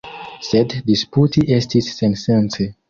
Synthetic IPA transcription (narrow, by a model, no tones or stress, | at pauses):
seddisputiʔestisːensent͡se